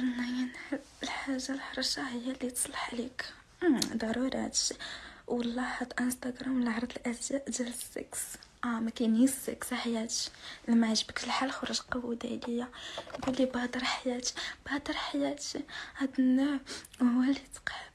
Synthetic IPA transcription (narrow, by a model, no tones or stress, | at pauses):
lːɑjənħəlħaʒːalħɑɾˤuʃahəjːælːit̪sˤlɑħʕlik | d̪ɑɾˤuɾɑ̰t̪ʃwɑlˤːɑħat̪ʔənst̪aɡɾˤɑmlʕɑɾˤd̪əlʔæzʒæʔʒælsḭksʔæmækænhisḭksaħajæt̪ʃlæmaʕʒəbəklħalxɑɾuʒqɑwud̪æ̰ləjːajɡulːibɑd̪ɑɾˤħajæt̪b̥ɑd̪ɑɾˤħajæt̪ihæd̪ənæhʊwːælit̪ə̥qħə